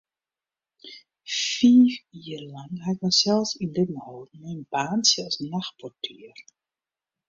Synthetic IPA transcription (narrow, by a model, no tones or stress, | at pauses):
fiːfiərlɑŋɦaɪk̚mɛnsɛlˠsindətn̩hoːdnmɛnbaːnsjəɔsnaxpɔrtʰiər